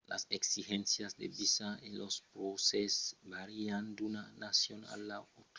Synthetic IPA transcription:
la̰seksixensjasd̪ebisaelospɾosesbaɾiand̪unanasjona̰lːaot

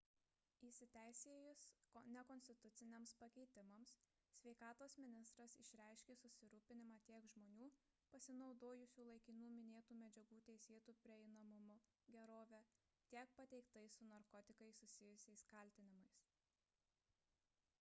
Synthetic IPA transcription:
isʲɪt̪ʲæˑɪsʲeːjʊsnʲɛkɔnʲsʲt̪ʲɪt̪ʊt̪sʲɪnʲeːmspɐkʲɛɪt̪ʲɪmɐms | sʲʋʲɛɪkɑːt̪oːsmʲɪnʲɪst̪ɾɐsɪ̰ʃʲɾʲæˑɪʃʲkʲeːsʊsʲɪɾuːpʲɪnʲɪmɑːt̪ʲiɛkʒmoːnʲuː | pɐsʲɪnɒʊd̪oːjʊsʲuːlˠɐɪkʲɪnuːmʲɪnʲeːt̪uːmʲɛd͡ʒʲɛɡuːt̪ʲɛɪsʲeːt̪uːpʲɾʲɪɛɪnɐmʊmʊ | ɡʲɛɾoːʋʲɛ | t̪ʲiɛk̚pɐt̪ʲɛɪkt̪ɐɪsʊnɐɾkɔt̪ʲɪkɐɪsʊsʲɪjʊsʲɛɪskɐlʲt̪ʲɪnʲɪmɐɪs

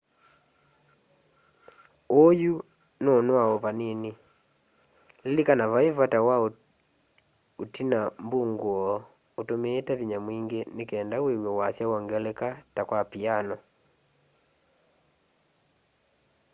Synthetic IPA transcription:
oju | nonwaɔpaneni | lelikanaβaevwatawao | otinambuŋɡwɔ | otomeːtaβiɲamwiːŋɡenekɛːndawewjɔwasjawɔŋɡɛlɛkatakwapianɔ

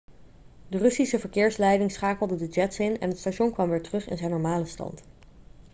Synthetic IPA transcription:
dərɵsisəvəɹkɪːɹslɛjdɪŋsχaːkəl̩ˠdədəd͡ʒɛtsɪnɛ̰nɦətstaʃɔnkʋɑmʋɪːɹtərɵχɪ̰nzɛjnːɔɹmaːləstɑ̰nt

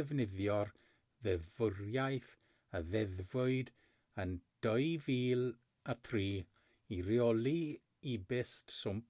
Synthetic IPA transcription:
ɛvnɪðjɔr | ðɛðvʊrjajθ | əðɛðvʊɨd | ənd̥ɔɨviːlˠ | atʰriː | iɾjɔlˠi | ibɪstsʊm

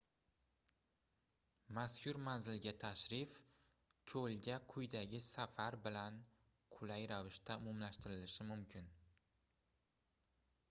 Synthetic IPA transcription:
maskʲʰʊɾmanzɪlɡʲat̪ʰaʃɾɪf | kʲʰɵlɡʲaqʰʊjd̪aɡʲɪsafaɾbɪlan | qʰʊlajɾavɪʃt̪aʊmɒmlaʃt̪ɪɾɪlɪʃɪmʊmkʲʰɪn

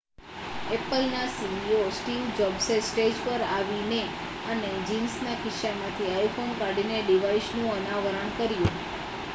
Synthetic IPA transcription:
epəlnasibiosʈiʋd͡ʒɔbsesʈed͡ʒpəɾaʋine | əned͡ʒinsnakɪʃamãt̪ʰiajfʰonkaɽineɖiʋaisnũənaʋəɾəɳkəɾjũ

